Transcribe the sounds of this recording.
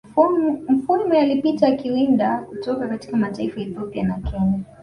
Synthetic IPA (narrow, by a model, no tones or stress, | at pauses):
m̩fuɾumɛalipitakiwindakutɔkakati̥kamataifaɛθjɔpianakʰɛɲa